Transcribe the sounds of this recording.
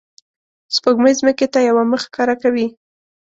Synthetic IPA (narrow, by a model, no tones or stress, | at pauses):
spəɡməzməket̪ajawaməxkɑɾakawi